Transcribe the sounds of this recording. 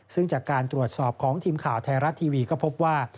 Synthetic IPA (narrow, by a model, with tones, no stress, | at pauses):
sɯ˥˩ŋt͡ɕaː˨˩kːaː˧nt̪ɾu˨˩ət̪̚sɔː˨˩p̚kʰɔː˩˦ŋt̪ʰiː˧mkʰaː˨˩wt̪ʰɛː˧ɾa˦˥t̪ʰːiː˧wiː˧kɔː˥˩pʰo˦˥p̚waː˥˩